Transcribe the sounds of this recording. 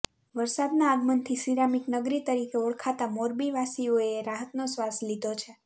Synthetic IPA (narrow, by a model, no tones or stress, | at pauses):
ʋəɾsad̪naːɡmənt̪ʰisiɾamiknəɡɾit̪əɾikeɔɭkʰat̪amoɾbiʋasioeɾaɦət̪nosʋaslid̪ot͡ʃʰe